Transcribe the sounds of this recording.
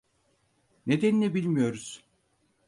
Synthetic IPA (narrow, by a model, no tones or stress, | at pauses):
ned̪enilʲɛbilʲmijo̞ɾuz̥